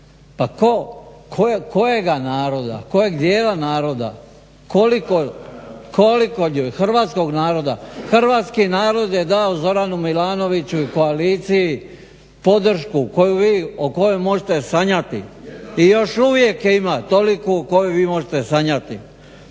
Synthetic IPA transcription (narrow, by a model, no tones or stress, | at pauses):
pakokʰoeko̞jeɡanaːɾo̞d̪a̰ko̞jeɡd̪jeːlanaːɾo̞d̪a̰ | ko̞likoko̞likouxr̩ʋaːt̪sko̞ɡnaːɾo̞d̪axr̩ʋaːt̪skinaːɾo̞d̪jed̪aozo̞ɾanumilaːno̞ʋit͡ɕuiko̞aliːt̪siji | po̞d̪r̩ʃkuko̞juʋiːoko̞jomo̞ʒet̪esaɲat̪ḭijo̞ʃuʋje̞kjeimat̪o̞likukojoʋiːmo̞ʒet̪esaɲat̪i